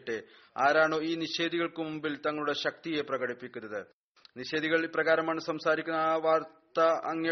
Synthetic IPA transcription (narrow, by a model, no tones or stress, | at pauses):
ʈːe | aːɾaːɳo̞ːiːniɕe̞ːd̪iɣɐɭkɨmumbilt̪ɐŋːɐɭuɽe̞ɕɐk̚t̪ije̞prɐɣɐɽipːikʲːunːɐðɨ | niɕe̞ːd̪iɣɐɭiprɐɣaːɾɐmaːɳɨsɐmsaːɾikʲːunːɐʋaːrt̪ɐːŋjɐ